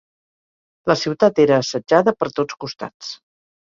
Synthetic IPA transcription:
ləsiwt̪at̪eɾəːsəd͡ʒaðəpəɾt̪ot͡skust̪a̰t͡s

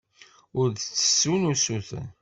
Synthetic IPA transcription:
ʊɾðt͡sːə̥sːunusuθ

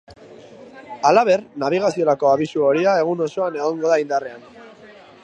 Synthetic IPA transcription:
alaβe̞rnaβ̞iɣ̞asio̞ɾako̞aβisuo̞ɾiae̞ɣ̞uno̞so̞ane̞ɣ̞oŋɡo̞ðaind̪are̞an

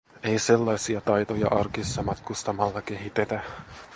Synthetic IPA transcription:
e̞jse̞lːɑjsiɑt̪ɑjt̪ojɑ̰ʔɑrkisːɑmɑt̪kust̪ɑmɑlːɑk̟e̞ɦit̪et̪æ

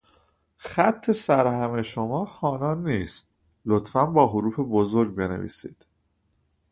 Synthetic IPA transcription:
xæt̪ʰːe̞sæɾhæme̞ʃomɒːxɒːnɒːnːiːst̪̚ | lot̪fænbɒːɦoɾuːfe̞bozo̞ɾɡbe̞nḛvḭːsḭːd̪̥

